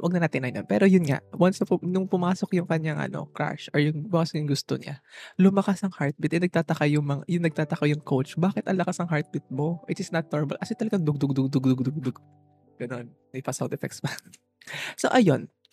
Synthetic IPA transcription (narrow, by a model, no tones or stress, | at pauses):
wɐɡ̚nɐnaːt̪ɪnɐjnonpɛːɾo̞jʊnŋa̰ʔwɐnsɐpʊnʊŋpʊmaːsokjʊŋkɐɲːaŋʔɐ̰no̞̰kɾa̰ʃʔɔɹjʊŋbʊkasjʊŋɡʊst̪o̰ɲa̰lʊmɐkasɐŋhaɹt̪̚bɪt̪ʔɪnɐɡ̚t̪aːt̪ɐkajʊŋmɐŋajʊŋnɐɡ̚t̪aːt̪ɐkojʊŋkowt͡ʃbaːkɪt̪ʔɐŋlɐkasɐŋɦaɹt̪̚bɪt̪̚mo̞ʔɪt̪ɪsnɐt̪̚noɹmɐ̰lkɐsɪt̪ɐlɐɡaŋd̪ʊɡ̚d̪ʊɡ̚d̪ʊɡ̚d̪ʊɡ̚d̪ʊɡ̚d̪ʊɡ̚d̪ʊɡ | ɡ̥ɐno̞n | nɐpasawt̪ɛfɛ̰kspɐ | so̰ʔɐjo̞n